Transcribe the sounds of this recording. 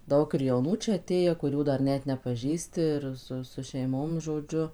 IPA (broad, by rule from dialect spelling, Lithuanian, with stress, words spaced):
ˈdɐʊk ɪr jɛʊˈnuː ˈt͡ʃʲɛ ɐˈtʲeːjæː kʊˈrʲuː ˈdɐr ˈnʲɛt nʲɛpɐˈʒʲiːsʲtʲɪ ɪr ˈsʊ sʊ ʃʲɛɪˈmoːm ʒoːˈd͡ʒʲʊ